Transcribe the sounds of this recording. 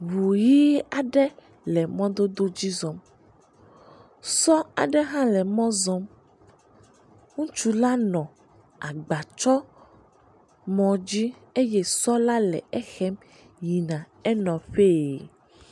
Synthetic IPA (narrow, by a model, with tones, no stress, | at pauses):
wu˨ji˦a˨ɖɛ˦ | lɛ˨mɔ̃˦d̪o˦d̪o˦d͡ʑi˦zɔ̃˦m | sɔ˦a̰˨ɖɛ˦ɦã˦lɛ˨mɔ̃˦zɔ̃˦m | ŋũ˦t͡ʃu˦la˦nɔ̃˨ | a˨ɡ͡ba˨t͡ʃɔ˦ | mɔ̃˨d͡ʑi˦ | e˦jɛ˦sɔ˦la˦lɛ̰˨ɛ˦xɛ˦m | ji˨nã˨ | ɛ˦nɔ̃˨ɸe˦˨